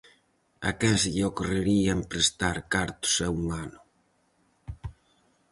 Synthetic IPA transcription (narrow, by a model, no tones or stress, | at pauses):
a̰kɛsʎokoreɾiaempɾest̪aɾkaɾt̪ʊ̥sɛwmanʊ